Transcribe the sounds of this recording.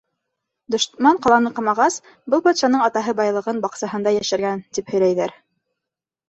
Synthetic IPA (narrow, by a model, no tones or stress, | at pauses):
d̪ŏʃmɑɴqɑlˠɑnɤqɑmɑʁɑs | bɤlˠbɑt̪ʃɑnɤɴɑt̪ɑɦɤbɑjlˠɤ̆ʁɤnbɑqsɑɦɤ̆nd̪ɑjæʃɘ̆ɾɡænt̪iphɵ̆jlæjðæɾ